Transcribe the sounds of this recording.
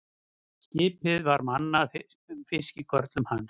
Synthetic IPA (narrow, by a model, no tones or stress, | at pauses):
scɪːpɪðvaɾmanːa | fɪscɪkʰœɾt̪lʏmhan